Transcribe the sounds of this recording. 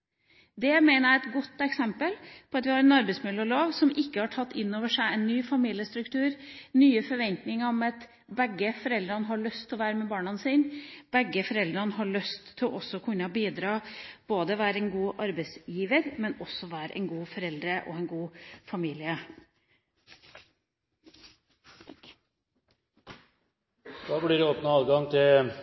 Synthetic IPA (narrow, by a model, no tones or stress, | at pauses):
d̪ɛmæɪnəæɛt̪ɡɔt̪ːɛksɛmpəlpʰɔɑt̪ʋɪhɑɾɛnɑɾbɛɪsmɪləɔloːʋsɔmɪkːəhɑʈʰɑt̪ːɪnːoːʋəʂæɪɛnːyːfɑmiːlɪəst̪ɾʉkt̪ʰʉːɾnyːəfɔɾʋɛnt̪nɪŋəɾɔmɑt̪ | bɛɡːəfɔɾɛld̪ɾɑnəɦɑɭœst̪ʰːɪlɔʋæːɾəmɛbɑːɳɑnsiːnb̥ɛɡːəfɔɾɛld̪ɾɑnəɦɑɭœst̪ʰːɪlʔɔsːɔɔkʰʉnːəbiːd̪ɾɑːb̥oːd̪əʋæːɾəɛnɡuːʔɑɾbəɪsjiːʋəɾmɛnɔsːɔʋæːɾə̰ʔɛ̰nɡuːfɔɾɛld̪ɾəʔɔ̰ɛnɡuːfɑmiːlɪə | d̪̥ɑːblɪɾoːpnəɑːlɡɑŋt̪ʰɪl